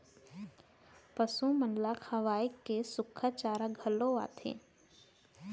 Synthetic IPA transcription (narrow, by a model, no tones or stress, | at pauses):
pəsũmənlakʰɐʋaːikːesʊkʰːət͡ʃaːɾaɡʱəloa̰ːt̪ʰḛː